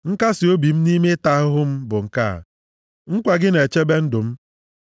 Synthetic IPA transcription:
ŋ̩˦ka˦sɪ˨o˦bi˨m̩˦ni˦me˦ta˦ɦʊ˦ɦʊ˦m̩˦bʊ˨ŋ̩˨ka̰˦˨ | ŋ̩˦kʷa˨ɡɪ˦ne˨t͡ʃe˦be˦n̩˦dʊ˨m̩˦

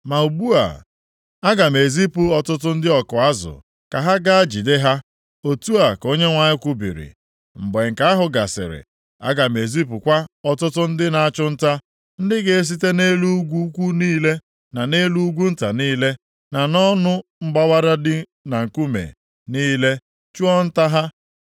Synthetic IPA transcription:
ma˨u˨bu˦a̰˨ | a˦ɡa˨me˨zi˦pu˨ɔ˨tʊ˦tʊ˦n̩˦dɪ˦ɔ˨kʊ˨a˦zʊ̰˨ | ka˨ɦa˦ɡa˦a˦d͡ʒi˨dɪ˦ɦa˦ | o˨tu˦a˨ko˦ɲe˦ŋʷa˨ɲɪ˦kʷu˦bḭ˨ɾḭ˨ | m̩˨be˨ŋ̩˨ka˦a˦ɦʊ˨ɡa˨sɪ̰˨ɾɪ̰˨ | a̰˦ɡa˨me˨zi˦p̬u˨kʷa˦ɔ˨tʊ˦tʊ˦n̩˦dɪ˦na˨a˦t͡ʃʊ˦n̩˦ta˦ | n̩˦dɪ˦ɡe˨e˦s̬i˦te˦ne˦lu˦u˦ɡʷu˦kʷu˦niː˦le˦ | na˨ne˦lu˦u˦ɡʷu˦n̩˦ta˨niː˦le˦ | na˨nɔ˦nʊ˦m̩˦ɡ͡ba˦wa˦ɾa˦dɪ˦ | na˨ŋ̩˨ku˦mḛ˨ | niː˦le˦ | t͡ʃu˦ɔ˦n̩˦ta˦ɦa˦

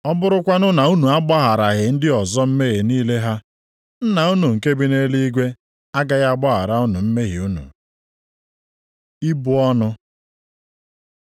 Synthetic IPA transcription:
ɔ˦bʊ˦ɾʊ˦kʷa˦nʊ˦na˨u˦nu˨a˦ɡ͡ba˦ɦa˨ɾa˨ɣɪ˨n̩˦dɪ˦ɔ˨zɔ˦m̩˦me˦ɣɪ˨niː˦le˦ɦa˦ | n̩˦na˨u˦nu˨ŋ̩˨ke˦bi˦ne˦li˦i˦ɡʷe˦ | a˦ɡa˦ɣa˦ɡ͡ba˦ɦa̰˨ɾa˨ʊ˦nʊ˨m̩˦me˦ɦɪ˨u˦nṵ˨ | i˦bʊ˦ɔ˦nʊ˦

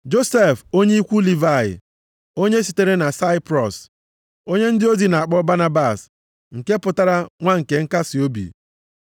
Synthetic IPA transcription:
d͡ʒo˦se˦˨fo˦ɲe˦i˦kʷu˦li˨va˦˨ɪ̰˨ | o˦ɲe˦si˨te˦ɾe˦na˨sa˦ɪ˦pɾɔ˨s | o˦ɲe˦n̩˦dɪ˦o˦zi˨na˨a˨k͡pɔ˦ba˦na˦ba˨s | ŋ̩˨ke˦pʊ˨ta˦ɾa˦ŋʷa˦ŋ̩˨ke˨ŋ̩˦ka˦sɪ˨o˦bḭ˨

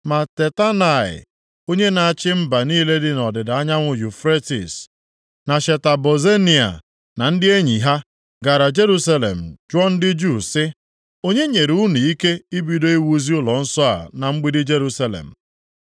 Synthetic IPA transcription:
ma˨te˨ta˦na˨ɪ̰˨ | o˦ɲe˦na˨a˦˨t͡ʃɪ˦m̩˦ba˨niː˦le˦dɪ˦nɔ˨dɪ˨da˨a˦ɲa˦ŋʷʊ˨ju˨fɾe˦tḭ˨s | na˨ʃe˨ta˨bo˨ze˦ni˨a̰˨ | na˨n̩˦dɪ˦e˦ɲi˨ɦa˦ | ɡa˨ɾa˨d͡ʒe˦ɾu˦sa˦lḛ˨m̩˨d͡ʒɔ˦n̩˦dɪ˦d͡ʒu˦˨sɪ˦ | o˦ɲe˦ɲe˨ɾu˦nu˨i˦ke˦i˦bi˦do˦i˦wu˦zi˦ʊ˦lɔ˨n̩˦sɔ˦a̰˨na˨ŋ͡m̩˦ɡ͡bi˦dɪ˦d͡ʒe˦ɾu˦sa˦lḛ˨m̩˨

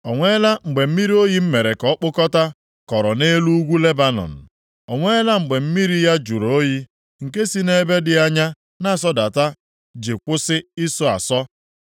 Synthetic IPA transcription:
ɔ˨ŋʷe˦la˦ŋ͡m̩˨ɡ͡be˨m̩˦mi˦ɾi˦o˦ji˦m̩˦me˨ɾe˨kɔ˨˦k͡pʊ˦kɔ˦ta˦ | kɔ˨ɾɔ˨ne˦lu˦ɡʷu˦le˦ba˦nɔ̰˨n̩˨ | ɔ˨ŋʷe˦la˦ŋ͡m̩˨ɡ͡be˨m̩˦mi˦ɾi˦ja˦d͡ʒu˨ɾo˨o˦ji˦ | ŋ̩˨ke˦si˦ne˦be˦dɪ˨a˦ɲa˦ | na˦˨sɔ˦da˨ta˦ | d͡ʒe˨kʷʊ˦sɪ˦i˦sɔ˦a̰˨sɔ˦

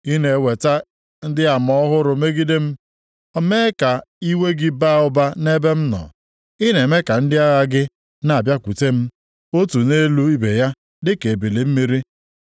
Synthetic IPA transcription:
i˦ne˨we˨ta˦ | n̩˦dɪ˦a˨mɔ˦ɦʊ˦ɾʊ˨me˦ɡi˦de˦m̩˦ | ɔ˦me˦ka˨i˦we˦ɡɪ˦ba˦˨ʊ˦ba˦ne˦be˦m̩˦nɔ̰˨ | i˦ne˨me˦ka˨n̩˦dɪ˦a˦ɣa˦ɡɪ˦ | na˨a˨bja˦kʷu˨te˦m̩˦ | o˦tu˨ne˦lu˦i˦be˨ja˦ | dɪ˦ke˨e˨be˨le˨m̩˦mi˦ɾi˦

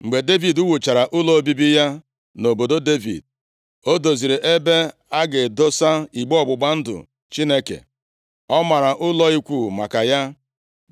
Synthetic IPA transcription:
ŋ͡m̩˨ɡ͡be˨de˦vi˨du˦wu˨t͡ʃa˨ɾa˨ʔʊ˦lɔ˦o˦bi˦bi˦ja˦ | no˨bo˨do˦de˦vḭ˨d̚ | o˦do˨zi˨ɾe˨ʔe˦be˦a˦ɡɪ˨do˦sa˦i˨ɡ͡bɔ˨ɡ͡bʊ˨ɡ͡ba˦n̩˦dʊ̰˨ | t͡ʃi˦ne˦kḛ˨ | ɔ˦ma˨ɾa˨ʔʊ˦lɔ˦i˦kʷu˦˨ma̰˨ka˨ja˦

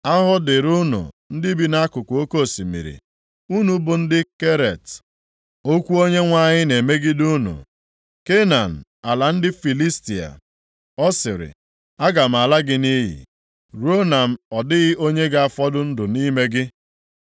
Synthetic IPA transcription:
a˦ɦʊ˦dɪ˨ɾu˦nʊ̰˨ | n̩˦dɪ˦bi˦na˦kʊ˨kʷʊ˨o˦ko˦˨si˨mḭ˨ɾḭ˨ | u˦nu˨˦bʊ˨n̩˦dɪ˦ke˦ɾe˨t | o˦kʷu˦o˦ɲe˦ŋʷa˦ɲɪ˦ne˨me˦ɡɪ˦du˦nṵ˨ | ke˦na˨n̩˨a˨la˨n̩˦dɪ˦fi˨li˦sti˨a̰˨ | ɔ˦sɪ˨ɾɪ̰˨ | a˦ɡa˨m̩˨a˨la˦ɡɪ˦ni˦ɦḭ˨ | ɾo˦na˨m̩˦ɔ˨dɪ˦ɣɪ˦ʔo˦ɲe˦ɡa˦a˦˨fɔ˦dʊ˦n̩˦dʊ˨ni˦me˦ɡɪ˦

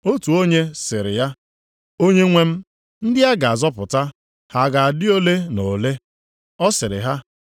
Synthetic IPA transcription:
o˦tu˨o˦ɲe˦sɪ˨ɾɪ̰˨ja˦ | o˦ɲe˦ŋʷe˦m̩˦ | n̩˦dɪ˦a˦ɡa˨a˨zɔ˦pʊ˨ta˦ | ha˨ɡa˨a˨dɪ˦o˦le˦no˨le˦ | ɔ˦sɪ˨ɾɪ̰˨ɦa˦

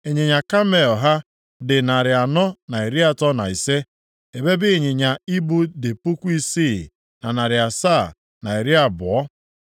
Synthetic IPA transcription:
e˨ɲɪ˨ɲa˨ka˦me˨ɔ˨ɦa˦ | dɪ˨na˨ɾɪ˨a˨nɔ˦na˨i˨ɾi˦a˨tɔ˦na˨i˨se˦ | e˨be˦bɪ˦˨ɲɪ˨ɲa˨i˦bu˦dɪ˨pu˦kʷu˦i˦si˦˨ | na˨na˨ɾɪ˨a˨sa˦˨ | na˨i˨ɾi˦a˨bʊ˨ɔ˦

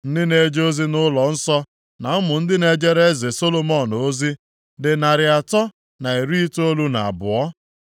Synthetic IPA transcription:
n̩˦dɪ˦ne˨˦d͡ʒo˦zi˦nʊ˦lɔ˨n̩˦sɔ˦ | na˨ʊ˦mʊ˨n̩˦dɪ˦ne˨d͡ʒe˦ɾe˦ze˨so˦lo˦mɔ˦˨no˦zi˦ | dɪ˨na˨ɾɪ˨a˨tɔ˦ | na˨i˨ɾi˦i˦to˦lu˦na̰˨a˨bʊ˨ɔ˦

